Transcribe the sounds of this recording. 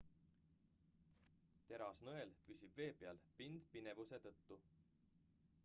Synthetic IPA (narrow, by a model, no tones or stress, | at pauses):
t̪e̞ɾɑsnoelpysʲib̥ve̞ːbeɑlpind̪̥pine̞vuse̞t̪ɤt̪ːu